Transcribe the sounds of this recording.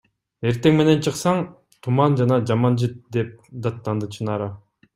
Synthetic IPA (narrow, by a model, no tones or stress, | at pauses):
e̞ɾt̪e̞ŋme̞ne̞nt͡ʃʰɯqsɑɴ | t̪ʰumɑnd͡ʒɑnɑd͡ʒɑmɑnd͡ʒɯt̪̚d̪e̞p̚d̪ɑt̪ːɑnd̪ɯt͡ʃʰɯnɑɾɑ